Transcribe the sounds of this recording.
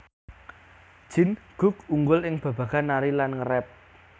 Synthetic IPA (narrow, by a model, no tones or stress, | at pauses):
d̥ʒ̥ɪ̤nɡ̥ʊ̤kuŋɡʊlɪŋb̥ä̤b̥ä̤ɡ̥a̤naɾilanŋəɾɛp̚